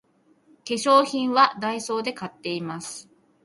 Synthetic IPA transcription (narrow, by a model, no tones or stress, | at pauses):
ke̞ɕo̞ːçĩɰ̃βad̪aiso̞ːd̪e̞kat̪ːe̞imasɨ̥